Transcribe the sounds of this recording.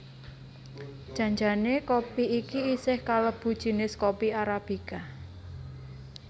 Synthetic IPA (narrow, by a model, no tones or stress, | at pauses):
ʒ̥a̤ɲd͡ʒanekopiikiisɪhkaləb̥ṳd̥ʒ̥i̤nɪskopiaɾab̥ika